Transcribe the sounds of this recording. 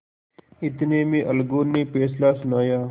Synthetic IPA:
ɪt̪neːmĩːʔɐlɡoːneːpeːs̬laːsʊnaːjaː

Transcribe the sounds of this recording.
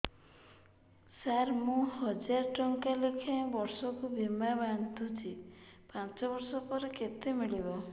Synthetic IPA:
saɾmũɦɔd͡ʒaɾʈɔŋkalekʰãbɔɾsɔkubʱimaband̪ʱut͡ʃʰipãt͡ʃɔbɔɾsɔpɔɾeket̪emiɭibɔ

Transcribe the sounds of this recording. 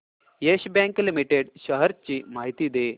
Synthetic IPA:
jeɕbjãŋklimiʈeɽɕəɦəɾt͡ɕiːmaɦit̪iːd̪e

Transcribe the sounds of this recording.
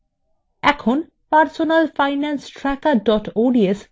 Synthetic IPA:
ɛkʰon | paɾsonalfaɪnansʈɾɛkaɖɔʈoɖies

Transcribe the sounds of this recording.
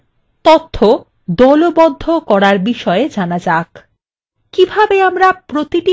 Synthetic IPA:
t̪ɔt̪ʰːo | d̪ɔlobɔd̪ʱːokɔɾaɾbiʃɔed͡ʑanad͡ʑak | kibʱabeamɾapɾot̪iʈi

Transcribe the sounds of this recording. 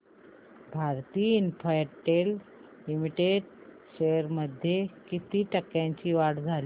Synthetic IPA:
bʱaɾt̪iːinfajʈel | limiʈeɖɕeəɾməd̪ʱːjekit̪iːʈəkːjãɲt͡ɕiːʋaɽd͡zʱali

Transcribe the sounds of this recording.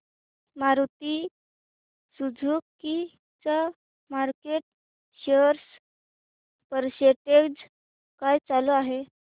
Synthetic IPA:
maɾut̪i | sud͡zʱuːkːi | t͡sa | maɾkeʈ̚ | ɕeɾs | pəɾɕeʈekd͡z | kajt͡saloaɦe

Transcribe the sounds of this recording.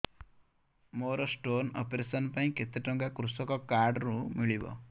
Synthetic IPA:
moɾɔsʈonɔ̰pɾesɔnpaĩket̪eʈɔŋɡakɾusɔkɔkaɾɖɾumiɭibɔ̰

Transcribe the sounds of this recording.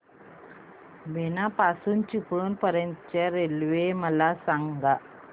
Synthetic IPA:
benapasuːnt͡ɕikɭuːnpəɾjənt̪t͡ɕaɾelʋeməlasaŋɡa

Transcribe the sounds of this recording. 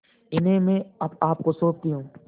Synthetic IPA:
ɪnɦẽmẽɐbaːp̚kosoːp̚t̪iɦũː

